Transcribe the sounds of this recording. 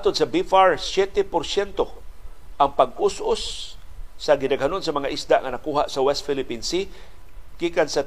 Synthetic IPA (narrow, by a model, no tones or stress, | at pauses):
at̪od̪sɐbifaɹsjɛt̪ɛpoɾsjɛnt̪oʔaŋpaɡ̚ʔʊsʔosː | ɐɡɪnaɡɦanonsɐmɐŋaʔisd̪aʔŋɐnakuːɦaʔsɐwɛst̪filɪpinsi | ɡ̥iːkansa